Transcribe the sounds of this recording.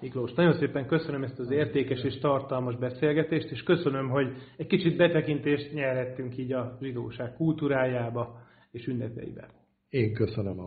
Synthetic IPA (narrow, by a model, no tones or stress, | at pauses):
mikloːʃnɒɟo̞nseːpɛŋkø̞sønømɛst̪ɒzeːrt̪eːkɛʃeːʃt̪ɒrt̪ɒlmɒʒbɛseːlɡɛt̪eːʃt̪eːʃkøsønø̞mɦo̞ɟɛckit͡ʃid̪̚bɛt̪ɛkint̪eːʃt̪ɲɛrɦɛt̪ːyŋkiːɟɒʒid̪oːʃaːkkult̪uːɾaːjaːbɒ | eːʃynːɛt̪ɛ̰jḭbɛ̰ | eːŋkøsønøm